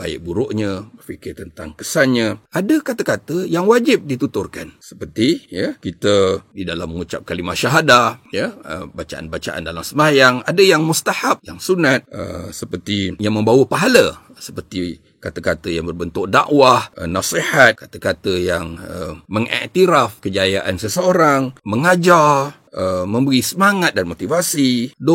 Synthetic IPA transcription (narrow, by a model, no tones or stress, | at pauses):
ba̰ɪ̰ʔ̚buɾʊʔɲəbərfikɪrt̪ənt̪aŋkəsanɲə̃ʔadəkat̪akat̪əjaŋwad͡ʒɪp̚dit̪ut̪ʊrkansə̥pərt̪ijəkit̪ədidalamːəŋut͡ʃap̚kalimaʃaɦadahjəə̰bat͡ʃa̰ʔa̰nbat͡ʃa̰ʔa̰ndalamsəmajaŋadəjaŋmust̪ahap̚jaŋsunat̪̚ə̰səpərt̪ijaŋmə̃mbawəpaɦala | sə̥pərt̪i | kat̪akat̪əjaŋbərbənt̪ʊk̚da̰ʔwahnasehat̪̚kat̪akat̪əjaŋəməŋʔɛ̰ʔt̪iɾafkəd͡ʒajaʔansəsəoɾaŋməŋad͡ʒar | əmə̃mbəɾisəmaŋat̪̚danmot̪ivasido